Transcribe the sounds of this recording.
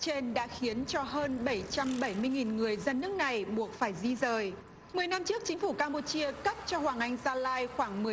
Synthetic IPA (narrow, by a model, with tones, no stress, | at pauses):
t͡ɕe˧nɗa̰ː˧˥xi˨˦ənt͡ɕɔ˧ɦəː˧nɓə˧˩jt͡ɕa˧mɓə˧˩jmɨ˧əjŋi˨˩nŋɨ˨˩əjzə˧nːɨ˦˥ək̚na˨˩jɓu˨˩ət̚faː˧˩jzi˧zəː˨˩j | mɨ˨˩əjna˧mt͡ɕɨ˦˥ək̚t͡ɕï˨˦ŋ̟fu˧˩kaː˧mpo˧t͡ɕi˧əkə˦˥p̚t͡ɕɔ˧hwaː˨˩ŋʔa˧jŋ̟zaː˧laː˧jxwaː˧˩ŋmɨ˨˩ə